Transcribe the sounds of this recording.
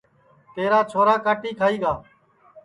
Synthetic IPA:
t̪eːɾaːt͡ʃʰoːɾaːkaːʈiːkʰaːiːɡaː

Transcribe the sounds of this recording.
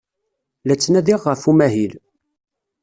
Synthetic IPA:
læt͡sːnæðiʁːəfumæɦil

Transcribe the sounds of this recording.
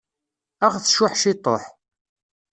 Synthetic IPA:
æχθʃʊħʃit̪ˤo̰ħ

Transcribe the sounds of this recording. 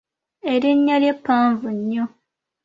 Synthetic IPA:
eɾiɲːaljepːaːɱvuɲːo

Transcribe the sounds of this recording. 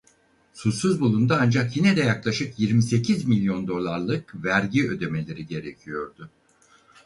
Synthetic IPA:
susuzbulˠund̪aand͡ʒakjinɛd̪ɛjaklˠaʃɯkjiɾmise̞cʰizmilʲjo̞nd̪o̞lˠaɾlˠɯkvæɾɟiø̞d̪e̞me̞lʲe̞ɾiɟe̞ɾecʰijo̞ɾd̪ʊ

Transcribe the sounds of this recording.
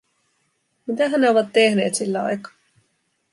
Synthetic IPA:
mit̪æɦæneoʋɑt̪ːehne̞̰ːt̪silːæɑ̰jkɑ̥ː

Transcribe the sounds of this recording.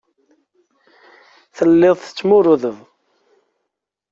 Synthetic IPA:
θəlːɪðˤθə̥t͡sːmʊɾʊðəv

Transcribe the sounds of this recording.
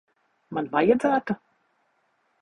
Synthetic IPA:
manvajad̪zæːt̪a

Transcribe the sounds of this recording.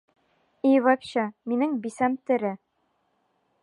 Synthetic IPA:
ivɑpɕɑminɘŋbisæmt̪ɘ̆ɾɘ

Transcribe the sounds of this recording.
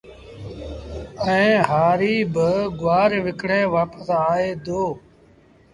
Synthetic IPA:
ɛ̃ːɦaːɾiːbəɡʊʋaːɾʋɪkɽẽːʋaːpəsaːeːd̪oː

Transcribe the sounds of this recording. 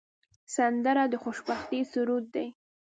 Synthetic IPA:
sand̪aɾad̪əxoʃbaxt̪isuɾut̪̚d̪ej

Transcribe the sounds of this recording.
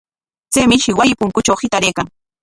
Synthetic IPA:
t͡sejmɪʃɪwajɪpʊŋkʊt͡ʃawhɪt̪aɾejkaŋ

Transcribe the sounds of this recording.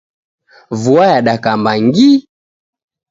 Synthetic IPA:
vuajaɗakambaŋɡi

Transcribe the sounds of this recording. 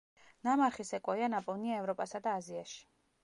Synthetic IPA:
namaɾχisɛkʼɔianapʼɔniaɛvɾɔpʼasad̪aːziaʃi̥

